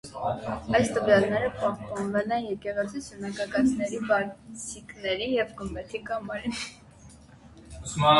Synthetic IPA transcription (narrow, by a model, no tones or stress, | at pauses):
ɑjst̪əvjɑlnɛɾəpɑhpɑnvɛlɛnjɛkɛʁɛt͡sʰisʰənɑkɑkɑt͡snɛɾibɑt͡sʰiknɛɾijɛvɡəmbɛt̪ʰikɑmɑɾin